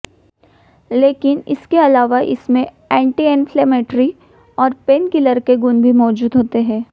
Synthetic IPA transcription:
leːkɪnɪ̰skeɐlaːʋaʔɪ̰smẽ | ɛ̃ːɳʈiɛːnfʰleːmeːʈɾi | ɔːɾpeːnkɪləɾkeɡʊnbʱimɔːd͡ʒuːd̪ɦoːt̪eɦɛ̃ː

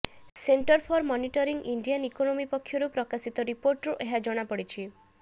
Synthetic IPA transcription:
seɳʈɔɾpʰɔɾmɔniʈɔɾiŋɡiɳɖianikonomipɔkʰːjɔɾupɾɔkasit̪ɔɾipoɾʈɾuʔeɦad͡ʒɔɽ̃apɔɽit͡ʃʰi

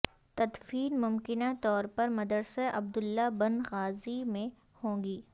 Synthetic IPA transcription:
t̪ɐd̪fiːnmʊmkɪnat̪ɔːɾpɐɾmɐd̪əɾseʔɐb̚d̪ʊlːabɐnɣaːzimẽ | hõːŋɡiː

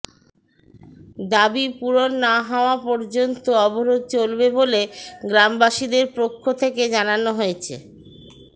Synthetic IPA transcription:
d̪abipuɾonːaɦaoapɔɾd͡ʑont̪oɔboɾod̪̚t͡ɕolbeboleɡɾambaʃid̪eɾpɾokʰːot̪ʰeked͡ʑananoɦojet͡ɕʰḛ

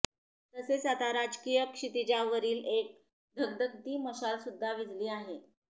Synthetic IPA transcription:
t̪əsesat̪aɾad͡zkijəkʂit̪id͡ʑaʋəɾiːlek̚ | d̪ʱəɡ̚d̪ʱək̚t̪iːməsalsud̪ʱːaʋid͡zliːaɦe

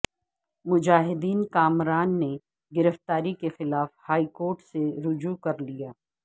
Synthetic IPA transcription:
mʊd͡ʒaːɦɪd̪iːnkaːmɾaːnːe | ɡɪɾəft̪aːɾikexɪlaːfhaːikoːɾʈseɾʊd͡ʒukɐɾlijaː

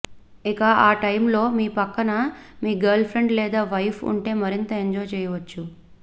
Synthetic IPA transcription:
ikaʔaːʈɐjmlo̞ːmiːpɐkːɐnɐmiːɡɐɾlpʰɾe̞ɳɖlɛːd̪aːʋɐjpʰṵɳʈe̞ːmɐɾint̪ɐeɲd͡ʒɔːjt͡ʃɛːjɐʋɐt͡ʃːu

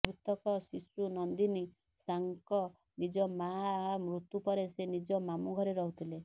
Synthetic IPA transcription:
bʱɾut̪ɔkɔsisunɔnd̪ini | saŋkɔ | nid͡ʒɔmaɦmɾut̪upɔɾesenid͡ʒɔmamuɡʱɔɾeɾɔɦut̪ʰile

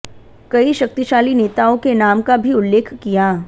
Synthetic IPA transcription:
kɐiʃɐk̚t̪iʃaːlineːt̪aõkenaːmkabʱiʊlːeːkʰkijaː

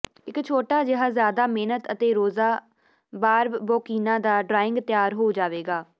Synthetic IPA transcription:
ɪkt͡ʃʰoːʈaːd͡ʒɪɦaːzjaːd̪aːmeːnət̪ət̪eːɾoːzaː | baːɾbbɔːkiːnãːd̪aːɖɾaːɪ̃ŋɡt̪jaːɾɦoːd͡ʒaːʋeːɡaː

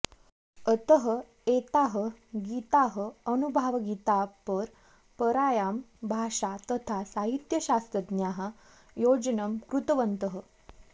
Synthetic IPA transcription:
ət̪əɦə | et̪aɦəɡit̪aɦəənubʱaʋɡit̪apəɾ | pəɾajambʱaʂat̪ət̪ʰasaɦit̪jəɕast̪ɾəd̪njaɦa | jod͡ʑnəmkɾut̪əʋənt̪əɦə

